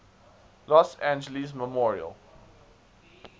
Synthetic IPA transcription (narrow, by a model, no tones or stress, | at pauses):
lɔsæ̃nd͡ʒəlizməmɔɹiə̰l